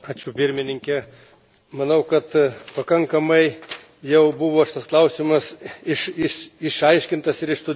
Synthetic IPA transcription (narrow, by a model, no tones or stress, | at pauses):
ɑːt͡ʃʲʊpʲɪɾʲmʲɪnʲɪŋʲkʲɛ | mɐnɐʊkɐt̪pɐkɐŋkɐmɐɪ | jɛʊbʊʋoːʃʲɪt̪ɐsklˠɐʊsʲɪmɐsɪʃɪʃɪʃɐɪʃʲkʲɪnt̪ɐsɪɾɪʃst̪ʊd̪ʲ